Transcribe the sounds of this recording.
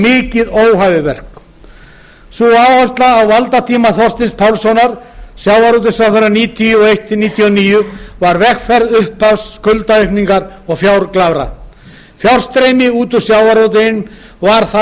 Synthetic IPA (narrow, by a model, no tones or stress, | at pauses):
mɪːcɪðoːwɦavɪvɛ̰r̥k | suawhast̪laːwvalt̪at̪ʰiːmaθɔrst̪ɪnspʰawlsɔwnaɾ̥sjawaɾowt̪̬ɪsaθaɾaniːt̪ʰiʏɔejht̪ɪniːt̪ʰijɔniːjʏvaɾvɛxfɛɾðʏhpʰːafsːkʏlt̪aœɥpniŋkaɾɔɣfjawɾklavɾa̰ | fjawr̥st̪ɾejmɪuːt̪ʏsjaːwaɾowt̪̬ɪn | vaɾ̥θa